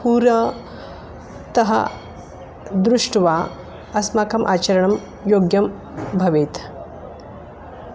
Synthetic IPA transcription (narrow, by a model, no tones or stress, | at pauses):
puːɾɐ | t̪ɐɦɐ̰ | d̪ɾuʂʈʋaː | ɐsmaːkʰɐmʔa̰ːt͡ʃɐɾɐɳɐm | joːɡjɐm | bʱɐʋeːt̪